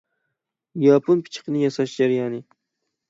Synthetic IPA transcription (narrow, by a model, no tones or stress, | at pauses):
japʰonpʰɪ̥t͡ʃʰɪ̥qnɪjasaʃd͡ʒaɾjanɪ